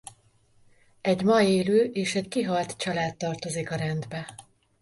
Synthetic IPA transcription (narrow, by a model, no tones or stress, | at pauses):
ɛɟmɒjeːløːʔeːʃɛckiɦɒlt̪t͡ʃɒlaːt̪ːɒrt̪o̞zikɒɾɛnd̪bɛ